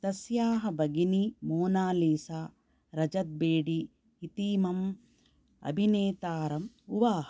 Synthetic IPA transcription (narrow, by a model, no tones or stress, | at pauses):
t̪ɐsjaːɦɐbɐɡinimoːnaːliːsaː | ɾɐd͡ʒɐt̪̚beːɽiː | t̪iːmɐm | ɐ̰bʱineːt̪aːɾɐm | uʋaːɦɐ